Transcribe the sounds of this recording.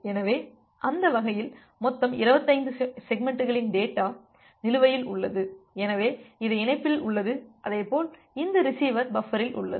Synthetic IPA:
ɛnɐʋeː | ʔɐnd̪ɐʋɐɣɐjɪl | mɔt̪ːɐmɪɾɯbɐt̪ːɐɪnd̪ɯsɛɡ̚mɛɳʈːɯɣɐɭɪnɖeːʈːaː | nɪlɯʋɐjɪlʊɭːɐðɯɛnɐʋeːɪðɯɪnɐɪpːɪlʊɭːɐðɯʔɐðɐɪpːoːl | ɪnd̪ɯɾɪsiːʋɐɾbɐfɐɾɪlʔʊ̰ɭːɐ̰ð

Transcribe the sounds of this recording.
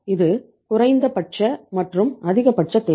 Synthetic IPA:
ɪðɯ | kʊrɐɪnd̪ɐpɐʈ̚t͡ʃɐmɐʈrɯmɐðɪɣɐpɐʈ̚t͡ʃɐt̪ːeː

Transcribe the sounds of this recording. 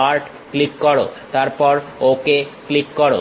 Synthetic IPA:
aɾʈ | klikːɔɽo̰t̪aɾpɔɾokeklikːɔɾo̰

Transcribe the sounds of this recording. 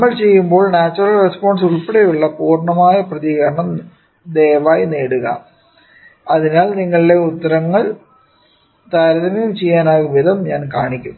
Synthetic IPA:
ɐɭt͡ɕe̞jːumbo̞ːɭnaːt͡ɕːurɐlrespo̞ːɳsuɭpeɽejuɭːɐpuːrɳɐmaːjɐprɐðiɣɐɾɐɳɐm | d̪eːʋaːjineːɽuɣɐ̰ | ɐðinaːɭniŋːɐɭiɖe̞ut̪ːɐɾɐŋːɐɭ | t̪aːɾɐðɐmɐjumt͡ɕe̞jːaːnaːɣumʋiðɐmɲaːnkaːɳikʲːum

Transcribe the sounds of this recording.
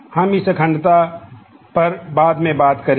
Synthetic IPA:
hɐmisəkʰə̃ɳɖt̪a | pɐɾbaːd̪mẽbaːt̪kɐɾ

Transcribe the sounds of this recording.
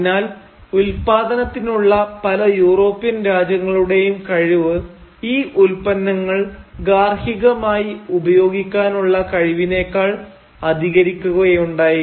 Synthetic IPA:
naːl | ulpaːd̪ɐnɐt̪ːinuɭːɐpɐlɐjuːro̞ːpːijɐnɾaːd͡ʑjɐŋːɐɭuɽe̞jumkɐɻiʋɨ | iːʔulpɐnːɐŋːɐɭɡaːrhiɣɐmaːjiubɐjo̞ːɡikʲːaːnuɭːɐkɐɻiʋine̞ːkːaːɭ | ɐd̪ʱiɣɐɾikʲːuɣɐjejuɳɖaːji

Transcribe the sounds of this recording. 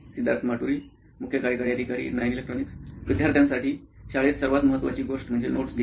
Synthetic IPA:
sid̪ʱaɾt̪maʈuɾiː | mukʰjəkaɾjkaɾiad̪ʱikaɾḭːnajnelek̚ʈɾoniksʋid̪ʱjaɾt̪ʰjãnsaʈiː | ɕaɭet̪səɾʋat̪məɦət̪ːʋa̰t͡ɕiːɡoʂʈm̤əɳd͡zenoʈsd̪i

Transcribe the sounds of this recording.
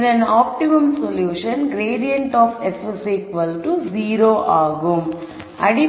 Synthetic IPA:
dɐnaːp̚ʈimɐmsoljuːʃɐnɡɾeːɖijɐɳʈɔːfesɐsiːkʋɐlʈuziːɾoːʔaːɡum | ɐɽi

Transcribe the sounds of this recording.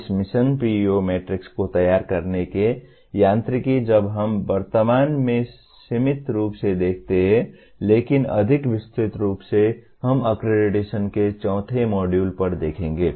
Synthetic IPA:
smisənpiomeʈɾikskot̪əjaɾkəɾneke | jãnt̪ɾikid͡ʒəbɦəmbəɾt̪əmaːnme | simit̪ɾuːpsed̪ekʰt̪eɦɛ̃ | leːkinə̰d̪ʱikʋɪst̪ɾit̪ɾuːpse | ɦəməkɾeɖiʈesənket͡ʃɔ̃ʊ̃t̪ʰemɔɖjuːlpəɾd̪eːkʰẽŋ̆ɡeː

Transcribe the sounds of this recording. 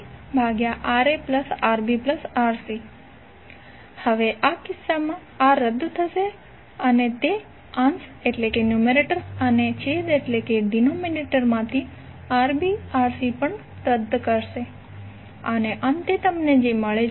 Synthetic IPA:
bʱaɡjaʔaɾepləsaɾbipləsaɾsi | həʋeʔakɪsːamã | aɾəd̪t̪ʰəʃe | ənet̪e | ãnseʈlekenjumeɾeʈəɾənet͡ʃed̪eʈlekeɖinomineʈəɾmãt̪ʰi | aɾbiaɾsipəɳ | ɾəd̪ʱːkəɾʃe | əneʔə̃nt̪et̪əmned͡ʒeməɭe

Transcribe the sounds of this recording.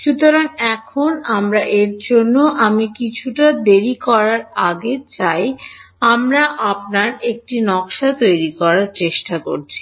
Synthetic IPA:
ʃut̪oɾaŋɛkʰonamɾaʔeɾd͡ʑonːoʔamikit͡ɕʰuʈad̪eɾikɔɾaɾaɡet͡ɕaj | amɾaʔap̚naɾek̚ʈinɔkʃat̪ojɾikɔɾaɾt͡ɕeʃʈako̰ɾt͡ɕʰi̥

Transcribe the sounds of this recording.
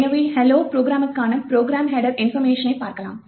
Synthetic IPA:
nɐʋihɛloːpɾoːɡɾaːmɐkːaːnɐpɾoːɡɾaːmɦeːɖɐɾɪnfɐɾmeːʂɐnɐɪpaːɾkɐla̰ːm

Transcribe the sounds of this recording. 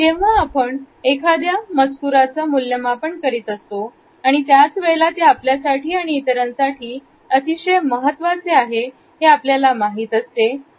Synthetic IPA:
t̪eʋ̤aːpəɳ | ekʰad̪jaməd͡zkuɾat͡səːmuljəmapəɳkəɾiːt̪əst̪o | aɽ̃it̪jat͡sʋeɭelat̪eapljasaʈiːaɽ̃iːt̪əɾənsaʈʰiː | ət̪iɕəjməɦət̪ːʋat͡seaɦe | ɦeapljalamaɦiːt̪əst̪e

